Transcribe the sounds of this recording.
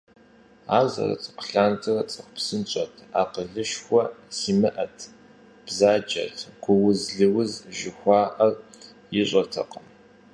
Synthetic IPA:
aːzɐ̰rɐ̰t͡sʰʼɨ̥qə̥ɬaːntʰɨrɐt͡sʼɐχʷpsɨnt͡ʃʼɐtʰaːqəɮɨʃxʷɔsiːmɨʔɐtʰ | b̥zaːd͡ʒɐ̰tʰɡ̥ʷʊwʊzɮɨwʊzʒɪxʷɑːʔɐr | jɪɕʷʼɐtʰɐ̰qɐm

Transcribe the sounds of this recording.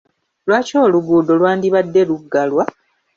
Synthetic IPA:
lwaːco̞ːluɡuːdo̞lwaːndiβadːe̞luɡːalwa

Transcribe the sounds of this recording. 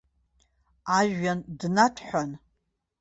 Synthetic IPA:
aʒandnatʰħʷᶣan

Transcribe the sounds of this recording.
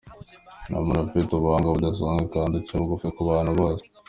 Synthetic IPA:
na̰monafetoβaŋɡaβud̪as̬aŋɡekaːndit͡ʃaβuɡofekuβaːn̤uβaːzo̥

